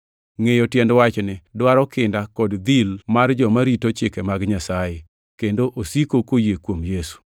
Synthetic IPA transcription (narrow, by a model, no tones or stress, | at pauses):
ŋejotjɛndwat͡ʃnɪdwaɾɔkɪndakɔdd̪ilmard͡ʒɔmaɾitot͡ʃɪkɛmaɡɲasaje | kendoʔosikokojekwomjesu̥